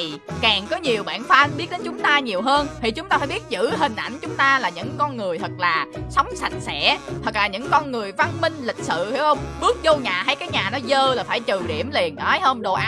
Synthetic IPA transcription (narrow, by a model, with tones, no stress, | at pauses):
i˨˩kaː˨˩ŋkɔ˨˦ɲi˨˩əwɓa̰ː˧˩nfaː˧nɓi˦˥ət̚ɗe˨˦nt͡ɕʊ˨˦ŋ͡mt̪aː˧ɲi˨˩əwɦəː˧nt̪ʰi˨˩t͡ɕʊ˨˦ŋ͡mt̪aː˧faː˧˩jɓi˦˥t̚zɨ̰˧˥ɦï˨˩ŋ̟ʔa̰˧˩jŋ̟t͡ɕʊ˨˦ŋ͡mt̪aː˧laː˨˩ɲɨ̰˧˥ŋkɔ˧nŋɨ˨˩əjt̪ʰə˨˩k̚laː˨˩sɔ˨˦wŋ͡msa˨˩jk̟̚sɛ̰˧˩˥t̪ʰə˨˩k̚laː˨˩ɲɨ̰˧˥ŋkɔ˧nŋɨ˨˩əjva˧nmï˧ŋ̟lï˨˩k̟̚sɨ̰˧˨hwə˧wŋ͡mɓɨ˦˥ək̚zo˧ɲaː˨˩ɦa˧jkaː˨˦jɲaː˨˩nɔ˨˦zəː˧laː˨˩faː˧˩jt͡ɕɨ˨˩ɗḭ˧˩əmli˨˩ənʔaː˨˦jhəː˧mɗo˧˨˩ʔa˨˧